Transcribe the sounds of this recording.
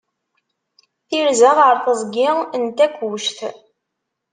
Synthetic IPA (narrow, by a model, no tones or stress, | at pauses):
θiɾzæʁəɾˤθəzˤɡɪənt̪ækʷːwʊʃθ